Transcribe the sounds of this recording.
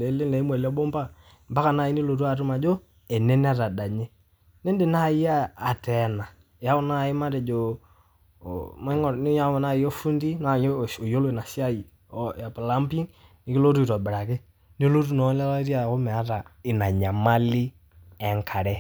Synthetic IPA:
le˨˦le˦lɛ˨i˦m˦ɛ˨lɔ˦bɔ˦mba˦˨ | mba˦ka˨na˦˨i˦ni˦lo˨tu˦a˨ɾu˦ma˨d͡ʒo˦ | ɛ˨nɛ˦ni˦a˦ɾa˨da˨ɲe˦ | nɛ˦nde˨na˦˨i˦jaː˦˨tɛ˨na˨ | ɪ˨a˦ʊ˨na˦˨ɪ˦ma˦ɾɛ˨d͡ʒo˨ | mɛ˦ŋɔ˨n˦ja˦ɔ˨na˦˨i˦ɔ˦fu˦ndi˦na˦˨jo˨jo˦lo˦ɪ˨na˨si˦a˦i˨ | a˨pla˦mpi˦ŋ | nɪ˨˦kɪ˦lo˦tu˦i˨ɾɔ˨bɪ˨ɾa˨kɪ˦ | ni˦lo˦t̬u˦˨nɔ˨˦la˦la˦ɾi˦a˨ko˦mɛ˨a˦ta˨ɪ˨na˨ɲa˨ma˦li˦ | ɛ˨ŋkʰa˨ɾɛ˦

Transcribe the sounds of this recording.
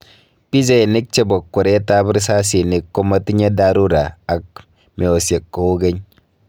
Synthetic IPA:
pi˦ze˦˨ni˦k̚t͡ʃe˦bo˨kːɔ˨ɾe˦ta˦bɪ˦ɾsa˦s̬i˨ni˨kːo˦ma˦ti˦ɲa˦da˦ɾu˦ɾa˨a˨k̚ | me˨o˨se˨kːo˦o˦ɡe˦ɲ

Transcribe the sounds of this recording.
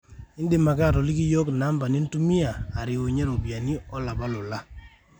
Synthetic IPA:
ɪ˦ndɪ˦˨ma˨ka˦˨ɾɔ˨li˦ki˦jo˦kna˦mba˨nɪ˦n˦tu˦mi˦aː˨ɾɪ˨wo˨ɲe˦ɾo˨bja˨ni˦ɔ˦la˨ba˦lʊ˨la˦

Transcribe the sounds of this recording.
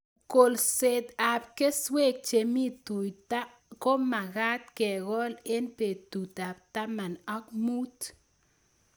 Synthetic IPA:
ko˨lse˧t̪a˨p̚ke˦swe˦k̚t͡ʃe˨mi˦t̪u˨jt̪a˦ʔ | ko˦ma˨ɡa˦t̪̚ke˨ɣo˦le˦npe˨t̪u˨t̪a˨bt̪a˦ma˨na˦k̚mu˦t̪

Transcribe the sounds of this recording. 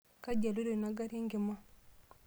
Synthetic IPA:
ka˦ɟa˨lu˦ɾe˨na˨ɡa˦ɾa˦ŋɡɪ˨ma˦

